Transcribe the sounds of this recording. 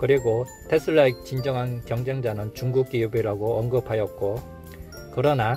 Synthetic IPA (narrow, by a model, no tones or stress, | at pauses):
kɯɾiɡo | tʰe̞sʰɯɭːaik̚t͡ɕind͡ʑʌŋɦankjʌŋd͡ʑeŋd͡ʑanɯnt͡ɕuŋɡuk̚k͈ijubiɾaɡoʌŋɡɯpʰajʌt̚k͈o | kɯɾʌna